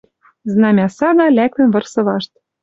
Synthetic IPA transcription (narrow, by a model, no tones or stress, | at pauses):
znɑmʲɑsɑɣɑlæk̚t̪ɘ̆nvɤ̆rsɤ̆lɑʃt̪̚